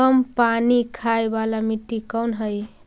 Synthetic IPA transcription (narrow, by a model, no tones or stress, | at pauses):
əmpanikʰaejbalamiʈːikəwnɦəj